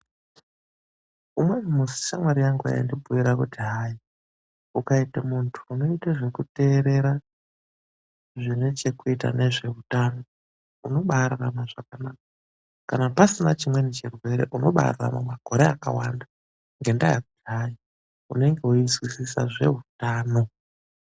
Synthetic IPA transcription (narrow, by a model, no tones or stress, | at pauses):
umwe̞nimusi̥ʃamwaɾijaŋɡuja̰jandibʱuʋiɾakutiɦaːji | ukaitamuntʰu̥ːno̞itaʐe̞kute̞ːɾe̞ɾa | ʐinet͡ʃe̞kuita̰ne̞ʐe̞utano̞ | uno̞ɓaɾaramaʐakanaːk̚ḁ | kanapasinat͡ʃimwe̞net͡ʃirwe̞ɾe̞̰ʔuno̞ɓa̰rara̰mamaɡʱo̞ɾeaka̰wanda | ŋɡe̞ndajakutiɦaji | une̞ŋɡe̞ujizwisisa̰ʐe̞̰ɦutaːno̞